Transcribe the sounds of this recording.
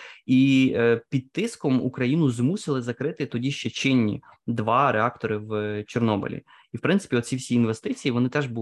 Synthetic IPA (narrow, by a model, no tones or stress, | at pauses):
ipʲid̪̚t̪ɪskɔmṵkɾɐjinʊzmusʲɪlˠɪzɐkɾɪt̪ɪt̪ɔdʲiʃt͡ʃɛt͡ʃɪnʲːḭd̪ʋɑɾeɑkt̪ɔɾɪwt͡ʃernɔbɪ̰lʲḭ | iwpɾɪntsɪ̥pʲiɔt̪ʲt͡sʲifsʲiːnʋest̪ɪt͡sʲijiʋɔnɪt̪ɛʒbu